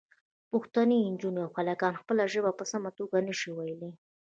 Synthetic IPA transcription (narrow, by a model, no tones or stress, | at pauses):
pʊxt̪aniɪnd͡ʒuneawxalakɑnxpəlaʒəbapəsamat̪oɡanəʃiwajəli